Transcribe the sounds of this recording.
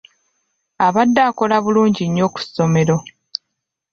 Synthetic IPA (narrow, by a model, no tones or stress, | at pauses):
aβadːaːko̞laβuluːɲɟiɲːo̞ːku̥sːo̞me̞ɾo̞